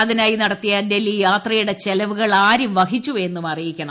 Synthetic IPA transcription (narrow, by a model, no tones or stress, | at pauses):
ɐðinaːjinɐɽɐt̪ːijaːnde̞lːijaːt̪rɐjuɽe̞t͡ɕelɐʋuɣɐɭaːɾumʋɐhit͡ɕːuʋenːumɐrijikʲːɐɳɐ